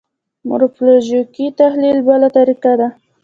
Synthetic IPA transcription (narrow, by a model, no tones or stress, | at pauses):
mʊ̰ɾʊpoloʒikit̪ahlilbalat̪aɾiqad̪a